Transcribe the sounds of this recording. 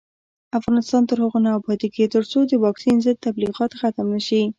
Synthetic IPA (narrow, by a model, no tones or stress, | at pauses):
afɣɑnɪst̪ɑnt̪əɾhəɣonabɑd̪iket̪əɾt͡sod̪əwɑksinzəd̪̚t̪abliɣɑt̪xat̪amnəʃi